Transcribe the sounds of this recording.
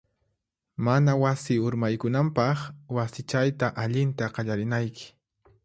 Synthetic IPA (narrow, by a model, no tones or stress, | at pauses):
manawasɪʊɾmajkʊnampɑχwasɪt͡ʃajt̪aʔaʎɪnt̪aqɑʎaɾɪnajkɪ̥